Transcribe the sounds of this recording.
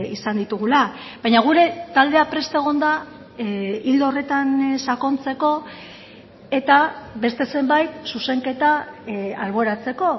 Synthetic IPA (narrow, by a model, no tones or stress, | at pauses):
isand̪it̪uɣ̞ulabajɲaɣ̞uɾe̞t̪ald̪e̞apɾe̞st̪aeɣ̞o̞nd̪a | ild̪ore̞t̪ansako̞nt͡se̞ko̞ | e̞t̪abe̞st̪e̞se̞mbajt̪suse̞ŋke̞t̪aalβ̞o̞ɾat͡se̞ko̞